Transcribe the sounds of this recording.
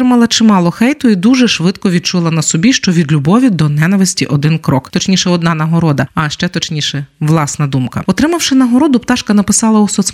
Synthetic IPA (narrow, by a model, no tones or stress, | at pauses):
ɪmɐlˠɐt͡ʃɪmɑlˠɔxɛjt̪ʊid̪uʒɛʃʋɪd̪kɔʋʲid̪̚t͡ʃulˠɐnɐsɔbʲiʃt͡ʃɔʋʲid̪lʲubɔʋʲid̪ɔnɛnɐʋɪsʲtʲḭʔɔd̪ɪnkɾɔkt̪ɔt͡ʃnʲiʃɛɔd̪nɑnɐɦɔɾɔd̪ɐɐʃt͡ʃɛt̪ɔt͡ʃnʲiʃɛʋlˠɑsnɐd̪umkɐ̰ɔt̪ɾɪmɐwʃɪnɐɦɔɾɔd̪ʊpt̪ɑʃkɐnɐpɪsɑlˠɐɔsɔt͡sʲ